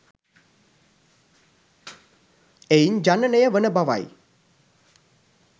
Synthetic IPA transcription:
ejiɲd͡ʒanənəjəʋənəbaʋa̰j

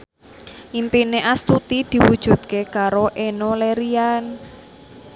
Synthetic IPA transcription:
ʔimpineʔast̪ut̪id̪̥i̤wud̥ʒ̥ṳd̪̥̚kekaɾoʔenoleɾian

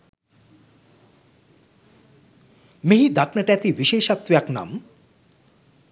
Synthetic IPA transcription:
meɦid̪akʰnəʈæt̪iʋiʃeːʃat̪ʋjakna̰m

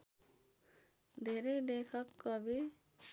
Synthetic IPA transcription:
d̪ʱeɾed̪ekʰʌkːɔbi

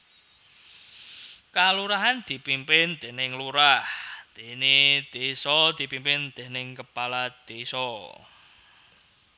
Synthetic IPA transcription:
kaluɾaɦand̪̥i̤pimpɪnd̪̥e̤nɪŋluɾahd̪̥e̤ned̪̥esɔd̪̥i̤pimpɪnd̪̥ɛ̤nɪŋkəpalad̪̥esɔ

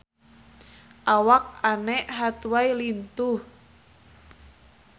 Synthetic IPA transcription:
ʔawak̚anɛʔɦat̪uwajlint̪uh

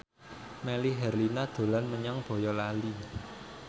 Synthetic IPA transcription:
meliɦɛrlinad̪̥o̤lanməɲaŋb̥ɔ̤jɔlali

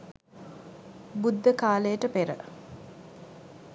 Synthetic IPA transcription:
bud̪ːəkaːləjəʈəpeɾə̰

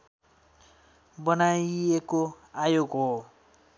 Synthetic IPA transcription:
bʌnajeko | ajoɡɦo

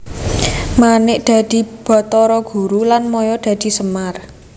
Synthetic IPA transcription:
manɪʔd̪̥ä̤d̪̥i̤b̥ɔ̤t̪ɔɾɔɡ̥ṳɾulanmɔjɔd̪̥ä̤d̪̥i̤səmar

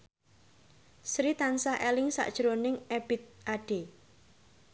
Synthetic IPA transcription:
sɾit̪ansaʔelɪŋsa̰ʔd̥ʒ̥ɾonɪŋeb̥ɪ̤t̪̚ʔaɖ̥e

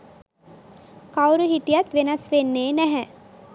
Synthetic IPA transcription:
kawɾuɦit̪ijat̪ʋenasʋenːeːnæɦɛ

